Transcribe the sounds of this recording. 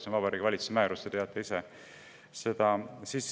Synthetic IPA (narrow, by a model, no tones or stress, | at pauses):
sonvɑbɑɾikvɑlʲit̪t͡su̥semæːɾust̪et̪eɑt̪ːˑeise | se̞d̪̥ɑsiːs